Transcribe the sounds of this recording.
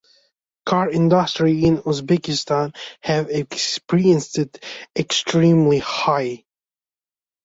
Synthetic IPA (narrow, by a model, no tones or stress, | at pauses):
kʰɑɹɪ̃ndəstɹiɪ̃nuzbɛkɪstãnhɨvɛkspiɹiɨ̃nsɪtɛkstʰɹĩmlihaɪ